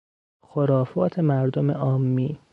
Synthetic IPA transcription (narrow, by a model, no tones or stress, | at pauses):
xoɾɒːfɒːt̪ʰemæɾd̪omeʔɒːmːiː